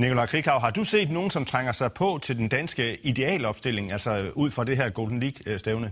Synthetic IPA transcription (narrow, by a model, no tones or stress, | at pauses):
nikʰo̝lɑ̈ɪkʰʁikʰɑ̈ʊɦɑ̈d̥use̝̰ːd̥no̝ːn̩sɒ̽mt͡sʰʁaŋ̰ɐsɑ̈ɪpʰɒ̽t͡sʰe̝ld̥end̥ænsɡ̥əid̥e̝ɛ̰ːlɒ̽b̥sd̥e̝l̰e̝ŋælsɒuð̞̰ˠfʁɑ̈d̥e̝ɦæɐ̰ɡ̥o̝ʊd̥n̩liɡ̥sd̥eʊnə